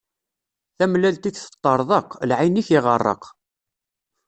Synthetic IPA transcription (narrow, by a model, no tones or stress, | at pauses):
θæmlælt̪içθə̥t̪ˤːəɾˤðˤɑqlʕaniçɪʁərˤːə̰q